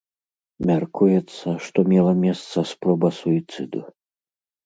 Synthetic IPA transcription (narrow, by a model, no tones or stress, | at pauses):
mʲarkujɛt̪sːɐʂt̪ɔmʲɛlˠɐmʲɛst̪sɐspɾɔbɐsuit̪sɨd̪u